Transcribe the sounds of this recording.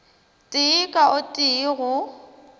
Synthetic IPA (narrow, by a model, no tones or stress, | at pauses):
tʼɪːkʼaʊtʼiːɣʊ